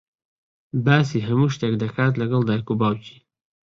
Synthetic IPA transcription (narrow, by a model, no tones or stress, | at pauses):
baːs̬iɦamuʃt̪akd̪akaːt̪̬laɡəld̪ajkubawt͡ʃi̥